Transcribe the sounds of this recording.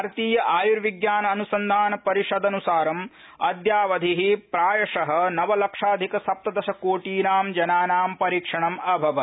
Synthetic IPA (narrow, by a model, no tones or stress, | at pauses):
ɾt̪iːjɐʔaːjuɾʋiɡjaːnɐːnusɐnd̪ʱaːnɐpɐɾiʃɐd̪ɐnusaːɾɐm | ɐd̪jaːʋɐd̪ʱiɦipɾaːjɐʂɐɦɐnɐʋɐlɐkʂaːd̪ʱikɐsɐp̚t̪ɐd̪ɐʃɐkoːʈiːnaːmd͡ʒɐnaːnaːmpɐɾiːkʂɐɳɐmɐbʱɐʋɐ